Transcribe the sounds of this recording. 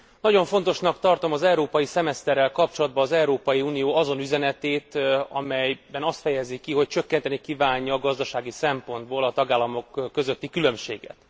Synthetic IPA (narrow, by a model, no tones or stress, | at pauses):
nɒɟo̞ɱfo̞nt̪o̞ʃnɒkt̪ɒrt̪o̞mɒzɛuɾoːpɒjisɛmɛst̪ɛrːɛlkɒp̚t͡ʃo̞lɒd̪̚bɒːzɛuɾoːpɒjiuːnijoːɒzo̞nyzɛnɛt̪eːt̪ɒ̰mɛjbɛnɒst̪fɛjɛzikiɦo̞c̚t͡ʃø̞kːɛnt̪ɛnikivaːɲːɒːɡɒzd̪ɒʃaːɡisɛmpo̞nd̪boːlɒt̪ɒɡaːlːɒmo̞kːø̞zø̞t̪ːikylø̞mʃḛːɡɛ̰t̪